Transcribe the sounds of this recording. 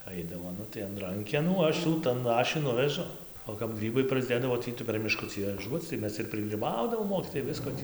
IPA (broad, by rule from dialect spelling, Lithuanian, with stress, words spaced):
ˈɐɪdɐʋoː ˈnʊ tɐɪ ɐn ˈrɐŋʲkʲɛnuː ˈɐʃ juː ˈtɐn ˈɐʃ juː ˈnʊʋʲɛʒʊ oː kɐp ˈɡrʲiːbɐɪ prɐzʲˈdʲeːdɐʋoː ˈtʲiː tɐɪ pʲɛr mʲɪˈʃkʊt͡sʲiː ʋɐˈʒuɔt͡s tɐɪ ˈmʲɛs ɪr pʲrʲɪɡrʲiːˈbɐʊdɐʋoːm ˈmoːkʲiːtoːjɛɪ ˈʋʲɪskoː tʲiː